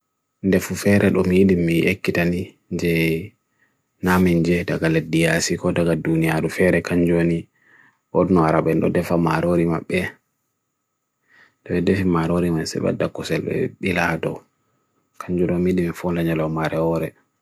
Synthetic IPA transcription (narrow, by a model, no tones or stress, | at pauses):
ndɛfufɛɾʔɛɗɔmijiɗimiḛkːitani | ɲd͡ʒɛ | namɛnd͡ʒɛdaɡaledːijasikɔdaɡadunijaɾufɛɾɛkaɲd͡ʒoni | ʔɔdnɔaɾaɓɛnɗɔ̰dɛfamaɾoɾima̰ɓːɛ | dɔwɛdɛfimaɾoɾimansɛ̰ɓa̰dːakːɔsɛlɓɛ̰ɓiladɔ | kaɲd͡ʒuɗɔmijiɗimifɔnlaɲalawmaɾɛɔɾɛ